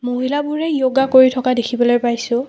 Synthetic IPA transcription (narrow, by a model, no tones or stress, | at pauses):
moɦilabʊɹɛjoɡakoɹitʰɔkadekʰibɔlojpajsʊ̃